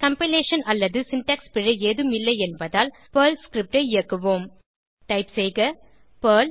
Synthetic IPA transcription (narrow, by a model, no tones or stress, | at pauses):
kɐmpɪleːʂɐnɐlːɐðɯsɪnʈɐkspɪɻɐeːðɯmɪlːɐɪɛnbɐðaːl | pɐːlskɾɪp̚ʈɐɪɪjɐkːɯʋoːm | ʈɐɪpsɛjɣɐ | pɐːl